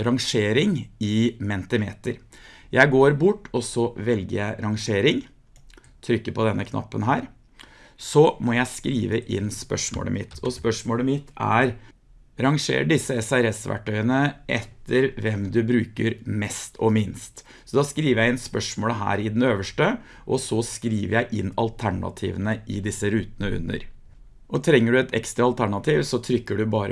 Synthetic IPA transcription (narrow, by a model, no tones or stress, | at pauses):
ɾɑŋʂeːɾɪŋɪmɛnt̪əmḛːt̪əɾjʔæɪɡoːɾbʊʈːɔsɔʋɛlɡə̰ɾjæɪɾɑŋʂeːɾɪŋ | t̪ʰɾʏkːəpʰɔd̪ɛnːəkʰnɑ̰pːənɦæːɾ | sɔmɔjæɪskɾiːʋəʔɪnːspœ̰ʂmo̰ːlə̰mɪt̪ʰɔspœʂmoːləmɪt̪ʰæ̰ɾ | ɾɑŋʂḛːɾɖɪsːəɛsæɾɛsʋæ̰ʈʰːœʏənəʔɛt̪ʰːəɾʋɛmd̪ʉbɾʉːkəɾmɛst̪ʰɔmɪnst̪ | sɔd̪ɑskɾiːʋəɾjæɪɪnspœʂmoːləɦæ̰ːɾɪd̪ɛnøːʋəʂʈə | ʔɔsɔskɾiːʋəɾjæɪʔɪnːɑlt̪ʰæɳɑ̰t̪ʰḭːʋənəʔɪd̪ɪsːəɾʉːt̪ənəʉ̰nːə̰ɾ | ʔɔt̪ʰɾɛŋːəɖʉɛt̪ʰɛ̰kst̪ɾɑɑlt̪ʰæɳɑt̪ʰiːʋsɔt̪ʰɾʏkːəɖʉbɑːɾə